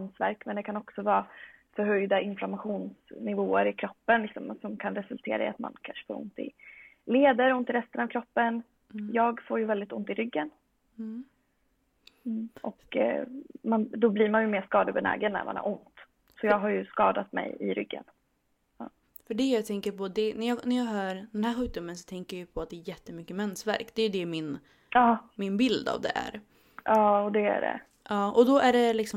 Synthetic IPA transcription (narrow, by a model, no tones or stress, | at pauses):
msvæ̰ɾkmɛnd̪ɛkʰanɔksɔvɑːfœɾɦœjd̪aʔɪnflamaɧuːnsnɪvoːəɾɪkʰɾɔpːənlɪksɔmsɔmkʰanɾɛsɵlt̪ʰeːɾaɪ̰a̰t̪ma̰nkʰanʂɛ̥fo̰ːɾʊ̰nt̪ɪ̰ | leːd̪əɾʊnt̪ɪɾɛst̪ənɑvkʰɾɔpːən | jɑːɡfoːjɵvɛld̪ɪt̪ʊnt̪ɪɾʏɡːən | ʔɔk | mand̪ɔbliːɾmanjɵmeːʂkɑːd̪əbɛnɛ̰ːɡənːæ̰ɾmanæ̰ɾʔʊnt̪ | sɔjɑːɡɦaɾjɵskɑ̰ːd̪at̪mɛ̰jɪ̰ɾʏ̰ɡːə̰n | ɑː | fœɖɛjɑːɡt̪ʰɛŋkəɾpɔd̪ɛnæjɑːnæɾjɑːɡɦœːɾd̪ɛnhæːɾɧʉ̟ːd̪ɵmənsɔ̥t̪ʰɛŋkəjajʏpʰɔat̪̚d̪ɛːɾjɛt̪ːəmʏkːəmɛnsvæ̰ɾkd̪ɛːjɵd̪ɛmɪn | ɑːmɪnbɪld̪a̰vd̪ɛ̰ʔæ̰ɾ | ʔɑːɔd̪ɛæ̰ɾɛ̰ | ʔɑːʔɔd̪ɔʔæɖɛlɪksɔ